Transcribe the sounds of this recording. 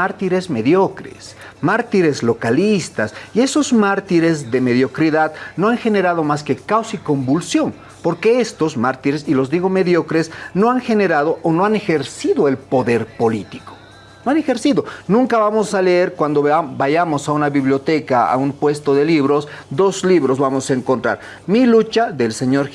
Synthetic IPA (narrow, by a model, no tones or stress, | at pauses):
aɾt̪iɾe̞zme̞ðjo̞kɾḛs | maɾt̪iɾe̞zlo̞kalist̪asie̞so̞zmaɾt̪iɾe̞zðe̞me̞ðjo̞kɾiðaðno̞aŋxe̞ne̞ɾað̞o̞maske̞kawsiko̞mbulsjo̞n | po̞ɾke̞est̪o̞zmaɾt̪iɾesilo̞zðiɣo̞me̞ðjo̞kɾesnoaŋxe̞ne̞ɾaðo̞ʔonoane̞xe̞ɾsiðoe̞lpo̞ðeɾpo̞lit̪i̥ko̥ | noanexe̞ɾsiðo̞nũŋkaβamo̞saleeɾkwand̪obaʝamo̞saunaβiβljo̞t̪ekaa̰umpwe̞st̪oðe̞liβɾo̞s | d̪o̞zliβɾo̞zβamo̞saeŋkont̪ɾa̰ɾ | milut͡ʃaðe̞lse̞ɲo̞ɾ